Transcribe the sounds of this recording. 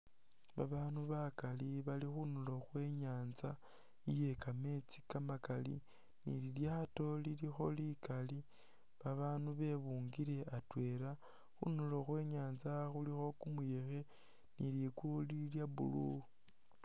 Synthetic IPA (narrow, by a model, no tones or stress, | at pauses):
βaβaːnuβakaliβalixunulo̞xwe̞ɲaːnza | ije̞kame̞t͡si̥kamakalḭ | nḭliljato̞lilixo̞likali | βaβaːnuβe̞βuːŋɡiɾe̞atwe̞ɾa | xṵnuloxwe̞ːɲaːnzaxulixo̞kumuje̞xe̞ | niljikuliljabṵlu